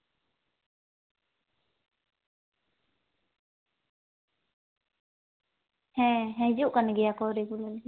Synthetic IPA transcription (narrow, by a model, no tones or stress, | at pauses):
hɛ̃ɦɛ̃d͡ʒuʔkanaɡijakɔɾikulal